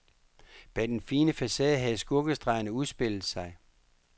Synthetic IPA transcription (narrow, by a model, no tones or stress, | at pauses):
b̥ɛd̥enfiːnəfæsɛðˠɦæð̩ˠsɡ̥ɔɡ̥əsd̥ʁɑ̈ɪɐnəuðˠsb̥e̝l̰ð̩ˠsɑ̈ɪ